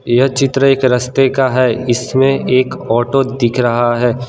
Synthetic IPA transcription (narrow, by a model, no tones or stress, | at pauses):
jɐɦt͡ʃɪt̪ɾəeːkɾɐst̪ekaɦɛɪsmẽeːkɔːʈod̪ɪkʰɾɐɦaɦɛː